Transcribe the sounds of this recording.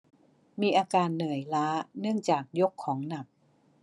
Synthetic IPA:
miː˧ʔaː˧kaː˧nːɯ˨˩əjlaː˦˥nɯ˥˩əŋt͡ɕaː˨˩k̚jo˦˥kʰːɔː˩˦ŋna˨˩p̚

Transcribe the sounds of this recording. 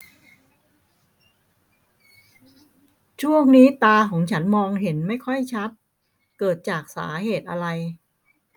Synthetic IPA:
t͡ɕʰu˥˩əŋniː˦˥t̪aː˧kʰɔː˩˦ŋt͡ɕʰa˦˥nmɔː˧ŋɦe˩˦nma˥˩jkʰɔ˥˩jt͡ɕʰa˦˥t̪̚ | kɤː˨˩t̪̚t͡ɕaː˨˩k̚sa̰ː˩˦heː˨˩t̪̚ʔa˧ɾa˧j

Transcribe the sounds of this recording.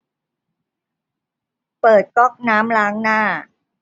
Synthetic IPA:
pɤː˨˩t̪̚kɔ˦˥˩k̚naː˦˥mlaː˦˥ŋnaː˥˩

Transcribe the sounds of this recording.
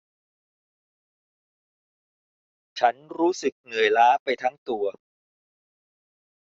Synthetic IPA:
t͡ɕʰa˦˥nɾuː˦˥sɯ˨˩k̚nɯ˨˩əjlaː˦˥pa˧jt̪ʰa˦˥ŋt̪u˧ɐ

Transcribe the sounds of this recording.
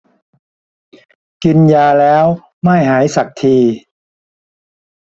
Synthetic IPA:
ki˧njaː˧lɛː˦˥w | ma˥˩jɦaː˩˦jsa˨˩k̚t̪ʰiː˧

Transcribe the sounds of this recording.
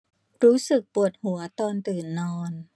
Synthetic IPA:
ɾuː˦˥sɯ˨˩k̚pu˨˩ət̪̚hu˩˦ɐt̪ɔː˧nt̪ɯː˨˩nːɔː˧n

